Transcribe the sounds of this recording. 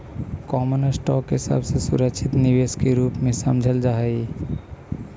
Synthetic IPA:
kɔmonəsʈɔkɦɪsa̰bʱsesṵɾəkt͡ʃʰit̪nibeskeɾuːpmẽsəmd͡ʒʱəld͡ʒaɦəi

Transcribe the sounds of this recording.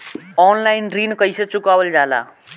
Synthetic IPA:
ɔːnlaːɪnɾiːnkəisət͡ɕʊkaːʋəld͡ʒaːla̰ː

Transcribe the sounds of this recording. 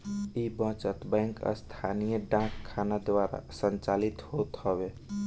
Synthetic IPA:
ibə̃t͡ʃət̪bɛ̃ŋkə̰st̪ʰanijəɖãkʰːanad̪ʋaɾa̰sənt͡ʃalit̪hot̪ɦɔbe

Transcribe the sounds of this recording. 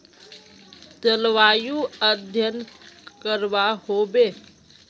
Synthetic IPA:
t̪əlʋaːjuəd̪ʱjənkəɾʋahoːbeː

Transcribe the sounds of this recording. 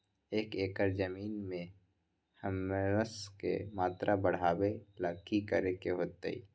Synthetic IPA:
eːkeːkəɾd͡ʒəmiːnmẽ | həmɾəskḛmaːt̪ɾʔabəɽ̤aːweləkʰikəɾekeɦoːt̪ḛḭ

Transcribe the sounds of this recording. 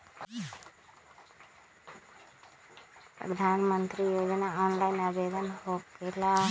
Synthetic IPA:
pɾə̰d̪ʱaːnmənt̪ɾijoːd͡ʒənaɔːnlaɪnəbed̪ənɦokela

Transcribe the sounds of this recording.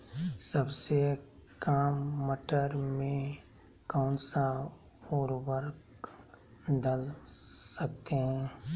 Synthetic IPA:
səbsekaːmːəʈəɾmẽ | kaːnsa | oːɾwəɾk | d̪əlsɐk̚t̪eɦɛ̃ː

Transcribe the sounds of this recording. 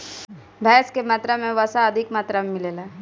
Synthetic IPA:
bʱɛːskemaːt̪ɾamẽʋəsaɐd̪ʱɪkmaːt̪ɾamẽmɪleːlaː

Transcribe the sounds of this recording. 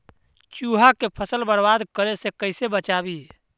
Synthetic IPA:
t͡ʃuɦakepʰəsəlbəɽbad̪kəɾesekəɪsebət͡ʃabi

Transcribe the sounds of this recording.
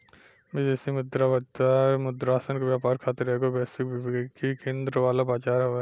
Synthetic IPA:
mɪd͡ʒeːsimʊd̪ɾabɐt̪amʊd̪ɾaːsənkoʋjaːpaːɾkʰaːt̪ɪɾɛːɡobɛːsɪkbbkikẽːnd̪ɾəʋaːlabaːt͡ʃaːɾɦo

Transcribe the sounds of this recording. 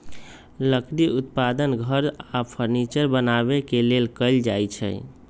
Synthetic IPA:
ləkɽiut̪pad̪ənɡʱəɾapʰəɾnit͡ʃəɾbənaβekelelkəɪld͡ʒajt͡ʃʰə̰j

